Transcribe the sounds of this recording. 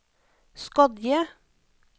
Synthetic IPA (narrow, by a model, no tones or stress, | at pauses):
skɑd̪jə